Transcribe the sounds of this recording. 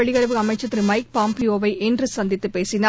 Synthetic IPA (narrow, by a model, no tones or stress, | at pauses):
ɛɭɪɣɐɾɐʋɯɐmɐɪt͡ʃːɐt̪ːɪɾimɐɪk̚paːmpioːʋɐɪʔɛndrɯsɐnd̪ɪt̪ːɯpeːsɪna